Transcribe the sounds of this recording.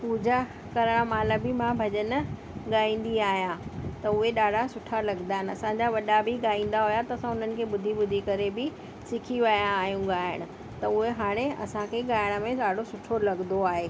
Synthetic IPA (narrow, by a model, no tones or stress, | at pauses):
puːd͡ʑa | kɐɾəɽ̃amaːləbimãbʱɐʄənə̆ | ɠaːĩːn̆d̪iaːɦijãt̪ɐʊɦeɗaːɖʱasʊʈʰalɐɡd̪aːɦɪnɪ̆ɐsãɲd͡ʑaʋɐɗabiɡaːĩːn̆d̪aɦojat̪ɐɐsãʊn̤ənɪ̆kʰeːɓʊd̪ʱiɓʊd̪ʱikɐɾebɪ | sɪkʰiʋɐjãːɦijũɡaːɦɪɽ̃ɪ̆ | t̪ɐʊɦeɦaːɽ̃eɐ̰sãkʰeɠaːjɪɽ̃əmẽɗaːɖʱosʊʈʰolɐɡnd̪oaːɦeː